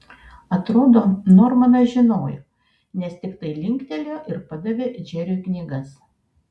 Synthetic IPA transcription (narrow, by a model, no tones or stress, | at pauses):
ɐt̪ɾoːd̪oːnɔɾmɐnɐʒʲɪnoːjoː | nʲɛst̪ʲɪkt̪ɐɪlʲɪŋʲkt̪ʲɛlʲoːʔɪɾpɐd̪ɐʋʲeːd͡ʒʲɛɾʲuknʲiːɡɐs